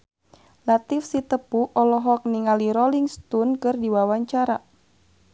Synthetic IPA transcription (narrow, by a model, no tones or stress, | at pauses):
lat̪ifsit̪əpuʔɔlɔɦɔk̚niŋaliɾɔliŋst̪unkɨrdiwawaɲt͡ʃaɾa